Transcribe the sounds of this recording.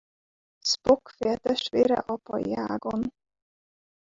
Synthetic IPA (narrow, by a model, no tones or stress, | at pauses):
spokfeɛt̪ɛʃt̪veːɾɛ̰ʔɒpɒjaːɡon